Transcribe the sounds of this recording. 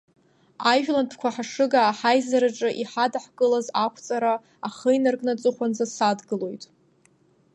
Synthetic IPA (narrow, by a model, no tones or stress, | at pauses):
ajʒᶣlanpʰkʷʰaħaʂɨɡaːħajzaɾaʈ͡ʂʼɨʔiħadaħkʼɨlazakʷʰt͡sʼaɾa | aχəjnarkʼnat͡sʼɨχʷand͡zasadɡɨlo̞jtʼ